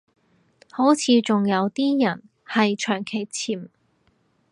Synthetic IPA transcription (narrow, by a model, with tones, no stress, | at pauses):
ho˨˥wt͡sʰiː˨˧t͡sʊ˨ŋjɐ˨˧wt̪iː˥jɐ˨˩n | hɐ˨jt͡ʃʰœː˨˩ŋkʰe˨˩jt͡sʰiː˨˩m